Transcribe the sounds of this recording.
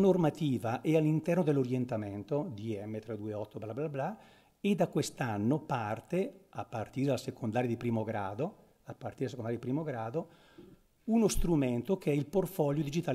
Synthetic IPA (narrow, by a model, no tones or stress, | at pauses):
normat̪iːvaʔɛalːint̪ɛrnod̪elːoɾjent̪ament̪od̪iɛmːet̪ɾed̪uːeɔt̪ːoblablabla | ed̪akwest̪anːopart̪eapːart̪iɾed̪aasekʰond̪aːɾjad̪ipɾiːmoɡɾaːd̪o | apːart̪iɾeasekond̪ajad̪ipɾiːmoɡɾaːd̪o | unost̪ɾument̪okeɛilport̪fɔljod̪id͡ʒit̪aːl